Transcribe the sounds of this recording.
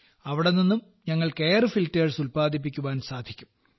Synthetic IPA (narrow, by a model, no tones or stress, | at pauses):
ɐʋiɽenːinːum | ɲɐŋːɐɭke̞ːrɨfiltːeːrsulpaːd̪ʱip̬ːikʲːuʋaːnsaːd̪ʱikʲːum